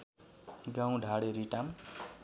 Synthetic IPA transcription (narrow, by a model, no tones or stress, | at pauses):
ɡãw̃ɖʱaɽeɾiʈam